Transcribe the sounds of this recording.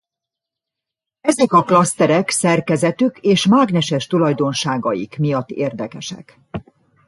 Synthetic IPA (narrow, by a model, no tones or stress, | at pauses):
ɛzɛkɒklɒst̪ɛɾɛksɛrkɛzɛt̪ykeːʃmaːɡnɛʃɛʃt̪ulɒjd̪o̞nʃaːɡɒjikmijɒt̪ːeːrd̪ɛkɛʃɛ̰k